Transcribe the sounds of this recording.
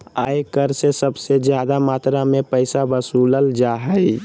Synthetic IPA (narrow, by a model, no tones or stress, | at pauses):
aːjkəɾsesəbsed͡ʒjaːd̪amaːt̪ɾamẽpəɪsabəsuːləld͡ʒaɦə